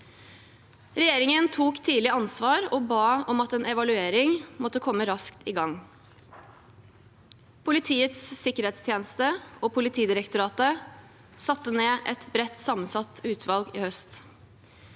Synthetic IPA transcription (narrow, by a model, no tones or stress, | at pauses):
ɾɛjeːɾɪŋənt̪ʰuːkt̪ʰiːlɪɑnsʋɑːɾoːbɑːɔmɑt̪eːnɛʋɑlʉeːɾɪŋmɔt̪ːəkʰɔmːəɾɑskt̪iɡɑŋ | pʰʊlɪt̪ʰiːət̪sːɪkəɾɛːt̪st̪ʰjeːnəst̪əoːpʰʊlɪt̪ʰiːd̪ɪɾəkt̪ʊɾɑːt̪ə | sɑt̪ːəneːʔɛt̪bɾɛt̪ːsɑmənsɑt̪ʉːt̪ʰʋɑlɡiːhœst̪